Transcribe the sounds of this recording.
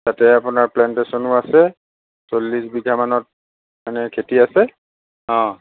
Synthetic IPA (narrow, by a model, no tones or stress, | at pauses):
tatɛapʊnaɹplɛntesɔnʊasɛ | solːisbiɡʱamanɔt̚ | manɛkʰetiasɛ | ɔ̃